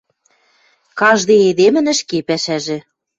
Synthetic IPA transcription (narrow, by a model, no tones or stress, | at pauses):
kɑʒd̪eed̪emɘ̆nə̆ʃkepæʃæʒĕ